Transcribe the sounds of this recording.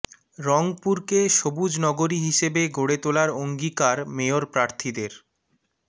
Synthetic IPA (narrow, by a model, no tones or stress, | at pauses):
ɾɔŋpuɾkeʃobud͡ʑnɔɡoɾiɦiʃebeɡʱoɽet̪olaɾoŋɡikaɾmeoɾpɾaɾt̪ʰid̪eɾ